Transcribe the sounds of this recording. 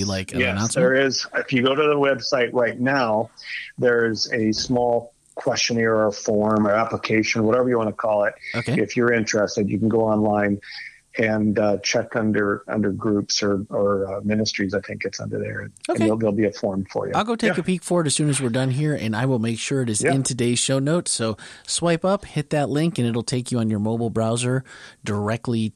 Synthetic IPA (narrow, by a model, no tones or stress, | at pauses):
ilaɪkjɛnətðə˞ɪzɪfjɨɡoʊɾɨðəwɛb̥saɪʔ̚ɹaɪtⁿnaʊðə˞ɪzɨsmɔlˠ | kʰw̥ɛst͡ʃɨ̃nɪ̃ə˞əfɔɹmə˞æpləkʰeɪʃɨ̃nwʌɾɛvə˞jɨwɑ̃nəkʰɔlˠɪt̚oʊkʰeɪɨfjə˞ɪ̃nt͡ʃɹ̥ɛstɨdjɨ̰kn̩ɡoʊɑ̃nlãɪ̃n | ɨ̃nt͡ʃʰɛkʌ̃ndə˞ʌ̰̃ndə˞ɡɹʉpsə˞ə˞mɪ̃nɨstɹ̥izaɪθɪ̃ŋk̚ɡ̥ɛtsʌ̰̃ndə̰˞ðə̰˞ɨ̃noʊɨ̃neðɪlˠbiɨfɔɹmfə̰˞jɨ̰aɪlˠɡoʊtʰeɪkɨpikfɔɹəɾɨz̥sʉ̃nɨzwɨɹdʌ̃nɦiɹɨ̰̃naɪwɪlˠmeɪkʃʊɹɨɾɨzɪ̃ntʰɨdeɪz̥ʃoʊnoʊtsoʊswaɪpʌphɪt̪̚ðɨtˡlɪ̃ŋkɨ̃nɨɾl̩ˠtʰeɪkjɨə̃njə˞moʊbl̩ˠbɹaʊzə˞də˞ɛk̚tˡli